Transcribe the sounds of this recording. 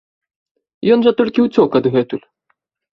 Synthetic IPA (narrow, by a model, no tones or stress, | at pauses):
jɔnʐɐt̪ɔlʲkʲiwt͡sʲɔkɐd̪ɣɛt̪ulʲ